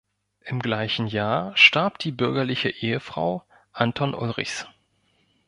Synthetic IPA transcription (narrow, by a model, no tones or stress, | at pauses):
ʔɪmɡlaɪçn̩jaːɐʃtaɐpd̥iːbʏɐɡɐlɪçəʔeːəfʁ̥a̰ʊ | ʔantʰɔnʔʊlʁɪ̰çs